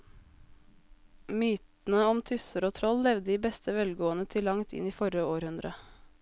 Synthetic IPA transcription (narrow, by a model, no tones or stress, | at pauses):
myːt̪n̩əɔmt̪ʰʏsəɾoːt̪ʰɾɔllɛʋd̪əiːbɛst̪əʋɛlɡoːənət̪ʰɪlːɑŋt̪ʰɪ̰niːfɔɾəoːɾhʉnd̪ɾə